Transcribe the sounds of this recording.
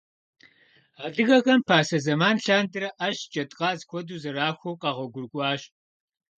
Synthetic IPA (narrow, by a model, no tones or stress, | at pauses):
aːdɨɣɐɣɐmpʰaːsɐzɐmaːnɬaːndɨɾɐʔɐɕd͡ʒʼɐtʼqʼɑːzkʷʰɔduːzɐɾaːxʷowqɑːʁʷɐɡʷʊrɡʷʼɑːɕ